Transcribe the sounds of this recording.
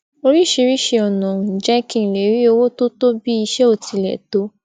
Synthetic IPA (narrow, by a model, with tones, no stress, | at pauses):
o˧ɾi˦ʃe˧ɾi˦ʃe˧ɔ˨nɔ̃˨ũ˨d͡ʒɛ˦kĩ˦˨le˨˦ɾi˦o˧wo˦to˦to˦bi˦i˧ʃɛ˦o˦˨ti˨˧˨lɛ̰˨to˨˦